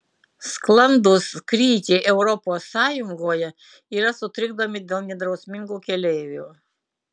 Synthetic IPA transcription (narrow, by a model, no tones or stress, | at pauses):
sklˠɐnd̪ʊskɾʲiːt̪ʲeʔɛʊɾɔpoːsːɑːjʊŋɡoːjɛ | iːɾɐsʊt̪ʲɾʲɪɡd̪oːmʲɪd̪ʲeːlˠnʲɛd̪ɾɐʊsʲmʲɪŋɡuːkʲɛlʲɛːʋʲuː